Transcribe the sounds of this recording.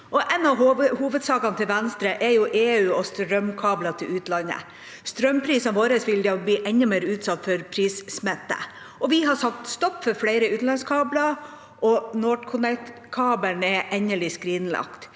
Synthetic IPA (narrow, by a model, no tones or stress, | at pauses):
ɔʔɛnɑhuːʋəd̪sɑːkɑnt̪ʰɪlʋɛnst̪ɾəʔɛjʊʔeːʉːɔst̪ɾœmkʰɑːblɑt̪ʰɪlʉːt̪lɑnə̰ | st̪ɾœmpʰɾiːsnʋoːɾəsʋɪld̪ɑbliːʔɛɲːəmeːɾʉːt̪sɑt̪ːfɔɾpʰɾiːssmɛt̪ːə̰ | ɔʋɪɦɑsɑk̚t̪st̪ɔpːfɔɾfɽæɪɾəʉːt̪lɑnskʰɑːblɑ | ʔɔnoːʈkʰʊnɛkt̪kʰɑːbənɛʔɛɲəlɪskɾiːnlɑ̰kt̪